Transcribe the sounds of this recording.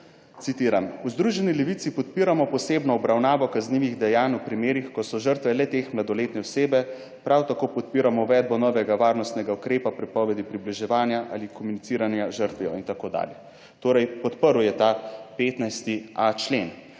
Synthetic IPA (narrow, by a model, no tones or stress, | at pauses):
t̪sit̪iːɾamuzd̪ɾuʒɛnilɛʋit̪sipɔt̪̚piːɾamɔpɔseːbnɔːbɾawnaːʋɔkazniːʋiɣd̪ɛjaːnwpɾimeːɾixkɔsɔʒəɾt̪ʋɛlɛt̪eːxmlad̪ɔleːt̪nɛɔseːbɛ | pɾʔawt̪akoːpɔt̪̚piːɾamɔuʋɛːd̪̚bɔnɔːʋɛɡaʋaːɾnɔst̪nɛɡaukɾeːpapɾɛpɔːʋɛd̪ipɾibliʒɛʋaːnjaʔa̰ːlikɔmunit̪siːɾanjaʒəɾt̪ʋɛjɔ̰int̪akoːd̪a̰ːljɛ | t̪oːɾɛjpɔt̪pəɾwjɛt̪apeːt̪najst̪iat͡ʃlen